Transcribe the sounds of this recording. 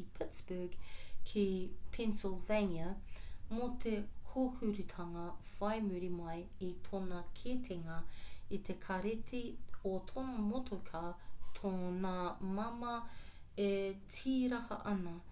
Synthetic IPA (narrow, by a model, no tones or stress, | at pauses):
ipʰɪtsb̥əɡkʰepʰɛnsɪlˠveniɐmot̪ʰekʰohʉɾʉt̪ʰɐŋɐv̥ɐjmʉɾimɐjet̪ʰonɐkʰet̪ʰeŋɐit̪ʰekʰɐɾetʰiotʰonɐmotʰokʰaːt̪ʰonamɐmɐ | etʰiːɾɐhɐ̰ʔɐnɐ